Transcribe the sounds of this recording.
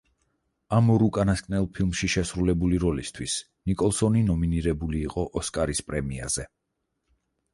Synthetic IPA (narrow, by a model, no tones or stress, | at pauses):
amɔɾukʼanaskʼnɛlˠpʰilˠmʃiʃɛsɾulɛbuliɾɔlist̪ʰwis | nikʼɔlˠsɔninɔminiɾɛbuliːqʼɔʔɔskʼaɾispʼɾɛmia̰z̥ɛ